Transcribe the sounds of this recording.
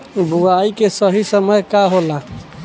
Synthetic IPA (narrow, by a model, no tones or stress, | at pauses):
buaikesəɦisəməjkaɦola